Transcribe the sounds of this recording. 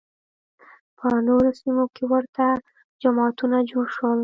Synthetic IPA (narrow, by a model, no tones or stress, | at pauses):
pʰənoɾosimokewəɾt̪a | d͡ʒamɑt̪unad͡ʒoɽʃwəl